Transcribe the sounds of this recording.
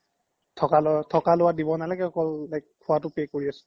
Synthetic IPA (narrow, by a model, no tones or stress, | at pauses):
tʰɔkalatʰɔkalʊwadibɔnalɛkɛɔkɔlːajk̚ʰːʊwatʊpekoɹiasɔ̥